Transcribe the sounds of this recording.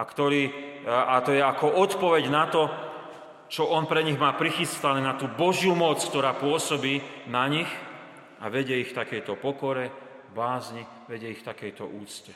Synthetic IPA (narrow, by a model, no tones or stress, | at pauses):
akt̪ɔɾiːat̪ɔjɛakɔʔɔt̪pɔʋɛɟnat̪ɔ | t͡ʃɔʔɔnpɾɛɲiɣmaːpɾixist̪anɛːnat̪uːbɔʒjumɔt͡skt̪ɔɾaːpʊɔsɔbiːnaɲix | aʋɛɟɪɛixft̪akɛjt̪ɔpɔkɔɾɛ | baːzɲi | ʋɛɟɛixft̪akɛjt̪ɔ̰ʔuːt͡scɛ